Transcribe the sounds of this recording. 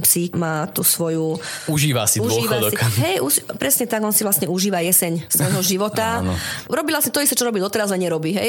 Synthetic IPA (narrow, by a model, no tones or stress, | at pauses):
psimaːt̪uːsʋɔjuuʒiːʋasiuuʒiːʋad̪sikɦɛjuʃpɾɛsɲɛt̪aɡɔnsiʋlast̪ɲɛuʒiːʋajɛsɛɲsʋɔjɦɔʒiʋɔt̪an̰ɾɔbilasɲɛt̪ɔist̪ɛt͡ʃɔɾɔbid̪ɔt̪ɛɾazlɛɲɛɾɔbiɦɛj